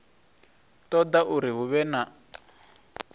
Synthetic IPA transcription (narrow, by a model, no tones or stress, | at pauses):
tɔd̪aʔuɾiɦuβɛna